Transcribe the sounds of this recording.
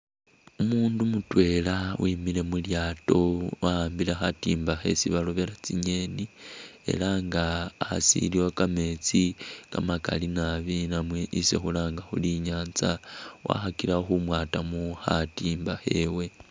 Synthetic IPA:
umuːndumutwe̞lawʔimile̞muljaːto̞waaːmbilexatiːmbaxe̞̰siβaloβe̞ɾat͡siɲe̞ːnie̞̰laŋɡaːsḭliwakame̞t͡sika̰maka̰linaβinamwe̞ʔisḛxulaːŋɡaxṵliɲaːnt͡sawʔa̰xakilaxumwaːtamuxatiːmbaxe̞we̞

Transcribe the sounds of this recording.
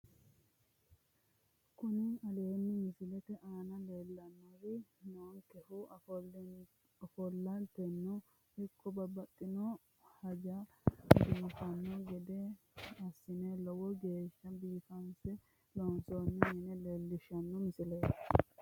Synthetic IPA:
kʊnɪɐleːnːɪmɪsɪlɛt̪ɛʔaːnɐlelːɐnːɔɾɪnoːŋkɛhʊ | ɔfɔlːɐnt̪ɛnːɔ | hɪkːɔbɐbɐt̪ʼːɪnɔ | hɐd͡ʒɐ | biːfɐnːɔɡɛd̪ɛ | ɐsːɪnɛlɔwɔɡe̞ːʃːɐbiːfɐnsɛ | lɔnsɔnːɛnɪnɛleːlːɪʃɐnːɔmɪsɪlɛ

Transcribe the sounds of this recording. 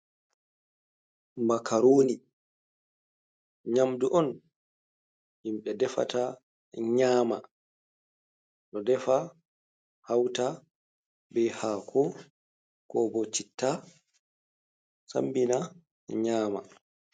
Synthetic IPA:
makʰaɾoːni | ɲamduʔɔn | himɓɛdɛfa̰ta | ɲaːma | ɗɔdɛfa | hawta | bɛhaːkʰɔ | kɔbɔt͡ʃitːa | sa̰mbina | ɲaːma̰

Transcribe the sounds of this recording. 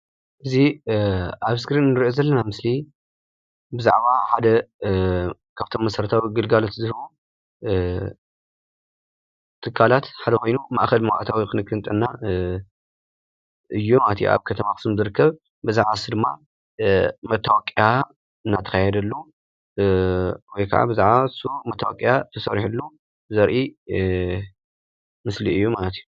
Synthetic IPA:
ʔɨzi | aβskɾinnːɨɾiʔozɐlːɐnamɨsli | bɨza̰ʕβaħad̪ɐ | kʰaβt̪ʰo̞mːɐsɐɾɐt̪ʰawiɡɨlɡalo̞t̪zɨhɨβu | t̪ʰɨkʰːalat̪ħad̪ɐkʰo̞jnumaʔxɐlmɐwa̰ʔt̪ʰawikʰɨnɨkʰːɨnt̪ʼɨnːa | ʔɨjːumalɐt̪jṵʔa̰βkʰɐt̪ʰɐmaxɨsɨmzɨɾɨkːɐβ | bɨzaʕasud̪ɨmːa | mɐt̪ʰːawakʼija | ɨnːat̪ʰɐ̥kʰajɛd̪ɐlːu | wɔjkʰa̰ʕa̰bɨzaʕasumɐt̪ʰːawa̰kʼijat̪ʰɐsɐɾħulːu | zɐɾʔi | mɨsliɨjːumalɐt̪ju

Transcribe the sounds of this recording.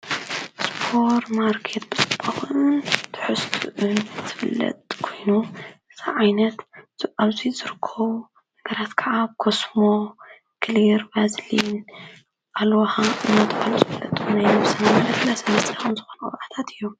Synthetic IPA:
spʰoɾmaɾkʰet̪̚b̥ɨt͡sʼɨ̥b̥ʰʼɐxɨnt̪ʰɨ̥ħɨst̪ʰuʔɨnzɨ̥fɨlːɐ̰t̪ʼkʰo̞jnuɨz̥aʕajnɐt̪zɨʔaβzizɨɾɨkʰːɐwu | nɐɡɐɾat̪kʰɐʕakʰosmo | kʰliɾbazlin | ʔalwɐxaʔɨnːat̪ʰʼkʼaluzɨfɨlːɐ̰t̪ʼunajusɐnamalɐflasɐmɐst̪ʼaxnzɨxonɐkʼɨ̰βʔat̪ʰat̪ʰɨjːom

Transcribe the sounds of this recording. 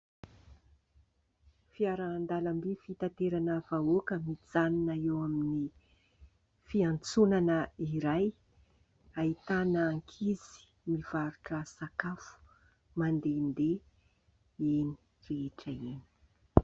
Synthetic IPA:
fiaɾaːnd̪alambifit̪ant̪eɾanəv̥aokəmid͡zaninaewamini | fiant͡sunanəiɾaj | ait̪anəːŋkʰizi̥ | miv̥aɾuʈ͡ʂəsakafu̥ | mand̪end̪e | eni̥ | reeʈ͡ʂəeni̥

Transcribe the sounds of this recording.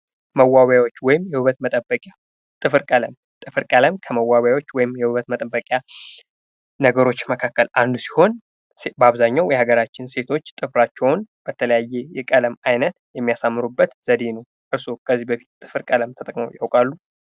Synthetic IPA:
məwːawjawo̞t͡ʃːwɔjɪmjɛhuβət̪mət̪ʼəbːəkʼja | t̪ʼɨfɨɾkʼələm | t̪ʼɨfɨɾkʼələmkʰəməwːawjawo̞t͡ʃːwɔjɪmjɛhuβət̪mət̪ʼəbːəkʼja | nəɡəɾo̞t͡ʃːməkʰakːəlʔand̪usi̥ho̞n | sbaβzaɲːawjɛhaɡəɾat͡ʃːɪnse̞t̪ʰo̞t͡ʃːt̪ʼɨfɾat͡ʃːɛwnb̥ət̪ʰələjajːejɛkʼələmajnət̪jɛmːijasamːɨɾubːət̪z̥əd̪enəw | ʔɨɾsokʰəzːibəfi̥t̪t̪ʼɨfɨɾkʼələmt̪ʰət̪ʼəkʼməwjawkʼalːu

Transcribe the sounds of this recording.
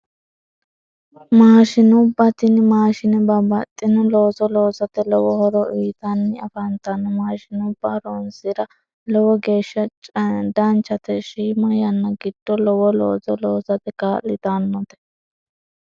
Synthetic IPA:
maːʃɪnʊbːɐt̪ɪnɪmaːʃɪnɛbɐbɐt̪ʼːɪnɔloːzɔloːzɐt̪ɛlɔwɔhɔɾɔʔiːt̪ɐnːɪɐfɐnt̪ɐnːɔmaːʃɪnʊbːaɾonsɪɾɐ | lɔwɔɡeːʃːɐd̪ɐnt͡ʃɐt̪ɛʃiːmɔjɐnːɐɡɪd̪̥ːɔlɔwɔlo̰ːzɔloːzɐt̪ɛkaːlːɪt̪anːɔt̪ɛ̥

